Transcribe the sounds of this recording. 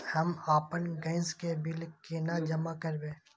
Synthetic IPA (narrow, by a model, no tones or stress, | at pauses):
hɐmaːpənɡə̃ɪnskebɪlkeːnad͡ʒɐmakəɾbẽː